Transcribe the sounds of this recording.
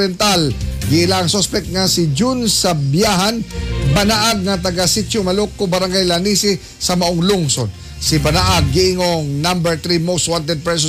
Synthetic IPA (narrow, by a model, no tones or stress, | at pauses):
ɛnt̪alɡɪʔɪlaɐŋsospɛk̚t̪̚ŋɐsɪd͡ʒunsɐbjaɦɐnbɐnaʔɐɡ̚ŋɐt̪̬ɐɡasit͡ʃomɐlokːobɐɾaŋɡajlɐnisɪ | sɐmɐʔoŋluŋson | sɪpɐnaʔaɡːiɪŋoŋnambɛɹt̪ɾimost̪want̪̬ɛd̪̚pɹɛs̬o